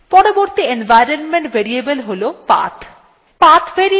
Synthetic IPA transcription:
pɔɾoboɾt̪ienbʱajɾonmeɳʈbʱeɾiebəlɦolopa̰t̪ʰ | pat̪ʰbʱeɾi

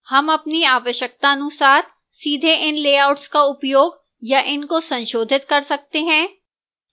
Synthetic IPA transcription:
hɐmɐpniaːʋəʃjək̚t̪aɐnʊsaːɾ | siːd̪ʱeʔɪnleːaːʊʈskaʊpjoːɡ | jaʔɪnkosɐ̃nʃoːd̪ʱɪt̪kɐɾsɐk̚t̪eɦɛ̃ː

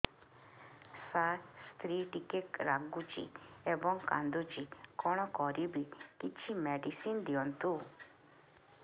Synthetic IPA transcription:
sast̪ɾiʈikekɾaɡut͡ʃḭebɔŋka̰nd̪ut͡ʃikɔɽ̃ɔkɔɾibikit͡ʃʰimeɖisind̪iɔnt̪u

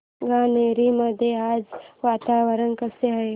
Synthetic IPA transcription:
ɡaːneːɾimɐd̪ʱeaːd͡ʒʋaːt̪aːʋəɾənkɐseɦɐe

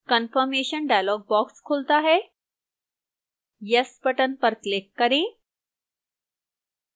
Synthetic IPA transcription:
kənfəɾmeɕənɖajlɔɡ̚bɔkskʰolt̪aːɦe | jəspəʈənpəɾklekːəɾẽ

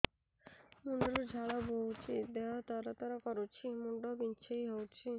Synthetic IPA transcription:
muɳɖɔɾod͡ʒʱaɭaboɦut͡ʃʰid̪ɛɦat̪aɾat̪aɾakɔɾot͡ʃʰimuɳɖɔbint͡ʃʰejɦowt͡ʃʰi

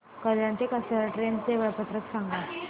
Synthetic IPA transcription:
kəljãnt̪ekasəʈɾent͡seʋəɭpət̪ɾəksaŋɡa

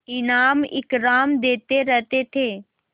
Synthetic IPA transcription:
ɪnaːmɪ̰kɾaːmd̪eːt̪eɾəɦt̪et̪ʰeː

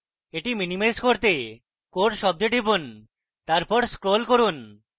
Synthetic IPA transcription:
eʈiminimajskoɾt̪e | koʈʃɔb̚d̪eʈibun | t̪aɾpɔɾskɾolkoɾun

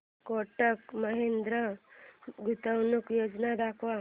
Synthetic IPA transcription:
koʈəkmɐɦend̪ɾə | ɡut̪əwnukjoːd͡ʒnad̪aːkʰʋa

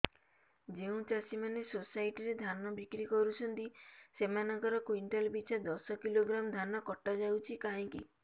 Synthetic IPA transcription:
d͡ʒeũt͡ʃasimanesosaiʈiɾed̪ʱanɔbikɾikɔɾut͡ʃʰɔnt̪isemanɔ̃ŋkɔɾɔkwiɳʈɔlbit͡ʃʰad̪ɔsɔkiloɡɾamd̪ʱanɔkɔʈːad͡ʒawt͡ʃʰikaɦĩŋki

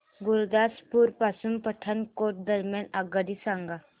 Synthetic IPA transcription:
ɡʊɾd̪aspuɾpasumpəʈʰːənkoːʈ̚d̪əɾmjanaɡəd̪isaŋɡa

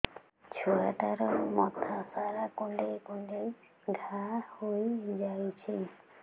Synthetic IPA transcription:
t͡ʃʰuaʈaɾɔmɔt̪ʰasaɾakoɳɖejkoɳɖej | ɡʱahojd͡ʒajt͡ʃʰi

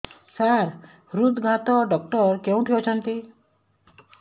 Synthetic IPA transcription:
saɾ | ɾud̪ɡʱat̪ɔɖɔk̚ʈɔɾkeũt̪ʰijot͡ʃʰɔnt̪i

